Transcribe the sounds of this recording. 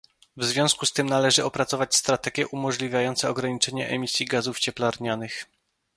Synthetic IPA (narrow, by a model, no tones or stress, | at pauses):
vzvʲjɔ̃w̃skust̪ɘmnalɛʐɘɔpɾat̪sɔvat͡ɕʲst̪ɾat̪ɛɡʲjɛʔumɔʐlʲivʲjajɔnt̪sɛɔɡɾaɲit͡ʂɛɲɛʔɛmʲisʲjiɡazuft͡ɕɛplaɾɲanɘx